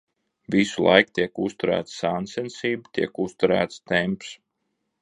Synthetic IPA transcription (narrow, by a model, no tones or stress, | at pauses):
visulˠʔa̰jkt̪ʲiɛkust̪uɾæ̰ːt̪ssaːnsɛnsiːbut̪iɛkust̪uɾæ̰ːt̪st̪ɛmps